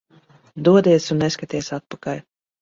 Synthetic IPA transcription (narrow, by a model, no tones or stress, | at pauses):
d̪uɔd̪iɛsunːeskat̪iɛsat̪̚pakalʲ